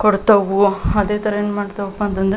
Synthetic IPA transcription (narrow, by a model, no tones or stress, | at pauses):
kɔɽt̪ɐʋuɐd̪eːt̪ʰɐɾɐeːnːumaːɽt̪ɐʋɐpːɐnt̪ɐnd̪